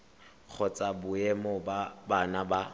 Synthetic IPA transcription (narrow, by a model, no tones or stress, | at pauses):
k͡xʰɔt͡sʼabʊɛmobabanaba